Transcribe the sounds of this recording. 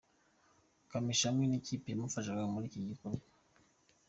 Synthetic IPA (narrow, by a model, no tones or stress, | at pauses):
kamiʃamineciːpemufaʃakaamuɾiciɟikoɾɡa